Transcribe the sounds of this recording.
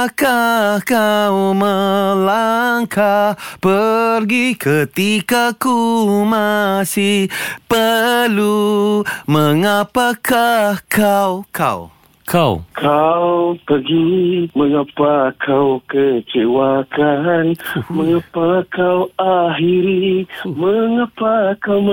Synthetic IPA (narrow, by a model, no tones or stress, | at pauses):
kakawməlaŋkʰahpərɡikʰət̪ikakumasihpəlu | məŋapakakʰawkʰa̰w | kʰawkʰawpəɡiməŋapakʰawkət͡ʃewakanməŋapakawaɦiɾiməŋapakaw